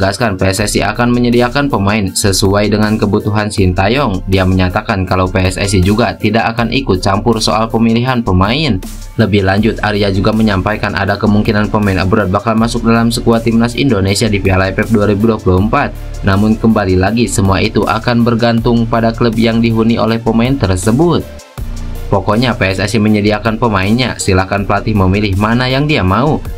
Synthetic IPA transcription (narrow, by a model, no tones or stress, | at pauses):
ɡaskanpeɛsɛsiʔa̰kanməɲədiakanpəmaɪnsəsuajdəŋankəbut̪uɦansint̪ajɔŋdiaməɲat̪akankalawpeɛsɛ̰s̬id͡ʒuɡat̪idakakanʔikʊt̪̚t͡ʃampʊrso̰ʔalpəmiliɦanpəmaɪn | ləbɪhlaɲd͡ʒʊt̪̚aɾiad͡ʒuɡaməɲampajkanʔa̰dakəmuŋkinanpəmaina̰bɾɔt̪̚bakalmasʊk̚dalamsəkuat̪imnasḭndonesiadifialajpɛp̚duaɾibuduapuluəmpat̪̚ | namʊnkəmbalilaɡisəmuaʔit̪uʔa̰kanbərɡant̪ʊŋpadakləb̚jaŋdiɦuniʔo̰lɛhpəmaɪnt̪ərsəbʊt̪̚ | pokɔɲapɛɛsɛsiməɲədiakanpəmaɪnɲasilahkanpəlat̪ɪhməmilɪhmanajaŋdiamau